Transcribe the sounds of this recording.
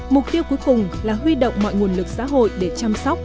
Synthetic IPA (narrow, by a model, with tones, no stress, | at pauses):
mʊ˨˩k̚t̪i˧əwku˨˦jkʊ˨˩ŋ͡mlaː˨˩hɦwi˧ɗə̰˧˨wŋ͡mmɔ̰˧˨jŋu˨˩ənlɨ˨˩k̚sa̰ː˧˥ɦo̰˧˨jɗe˧˩t͡ɕa˧msɔ˦˥wk͡p̚